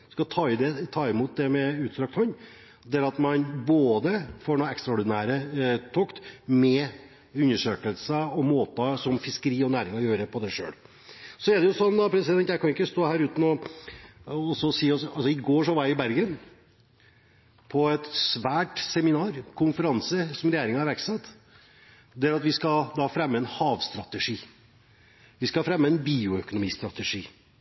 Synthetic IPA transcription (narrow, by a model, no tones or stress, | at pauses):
skɑt̪ʰɑːɪd̪ɛt̪ʰɑːɪmuːt̪̚d̪ɛmɛʉːt̪sɾɑkt̪ʰhɔnː | d̪ɛæɾɑt̪mɑnboːd̪əfoːɳuːɛkst̪ɾaɔɾd̪ɪnæːɾət̪ʰɔkt̪mɛ | ʉnːəʂøːkəlsəɔmoːt̪əsɔmfɪskəɾiːɔnæːɾɪŋɔjøːɾəpʰɔd̪æɪʂø̰ːl | sɔɛɖɛjʊsɔnːd̪ɑpʰɾɛsɪd̪ɛnt̪jæɪkʰɑnɪkːəst̪oːhæːɾʉːt̪n̩ɔ | ɔsɔsiːɔsɑlsɔɪɡoːʂɔʋɑɾɪbæɾɡən | pʰɔɛt̪sʋæːʈsɛmɪnɑːɾkʰʊnfəɾɑnsəsɔmɾɛjeːɾɪŋəɑɾʋæɾksɛt̪ː | d̪ɛæɾɑt̪ʋɪskɑd̪ɑːfɾɛmːəɛnhɑːʋst̪ɾɑt̪əʂiː | ʋɪskɑfɾɛmːəɛnbiːʊœkʊnʊmiːst̪ɾɑt̪əʂiː